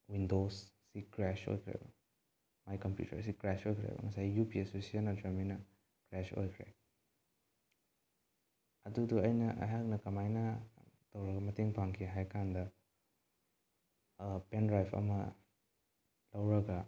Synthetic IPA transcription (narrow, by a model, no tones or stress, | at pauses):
windosː | ikɾɛso̰jkʰɾḛb | majkɐmpjṵtʰɐ̰ɾsikɾɛsojkʰɾḛŋɐsajjupisosianɐdɾɐminɐ | kɾɛso̰jkʰɾḛ | ɐduduɐjnɐʔɐ̰jɦak̚nɐkɐmajnɐtɐwɾɐɡɐmɐteŋpʰaŋkʰiɦajkandɐ | pendɾajpʰɐ̰mɐ | lɐwɾɐɡɐ